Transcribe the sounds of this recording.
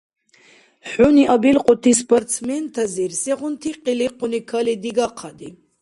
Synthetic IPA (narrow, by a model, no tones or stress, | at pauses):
ħuniʔabilqʼɔt̪ʰispʰɔɾt̪sʰmɛnt̪ʰaziɾsɛʁʊnt̪ʰiqʼiliqʰʊnikʰalid̪iɡaqʰad̪i